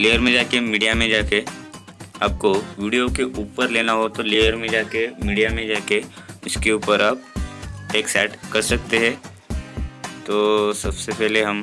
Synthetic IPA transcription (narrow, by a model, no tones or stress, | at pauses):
leːəɾmẽd͡ʒaːkemiːɖijamẽd͡ʒaːke | aːp̚koʋiːɖijokeʔuːpəɾleːnaɦot̪oleːjəɾmẽd͡ʒaːkemiːɖijamẽd͡ʒaːkeʊskeuːpəɾaːpʈeːksɛːʈkɐɾsɐk̚t̪eɦɛ̃ː | t̪oːsɐbsepɛɦleɦɐm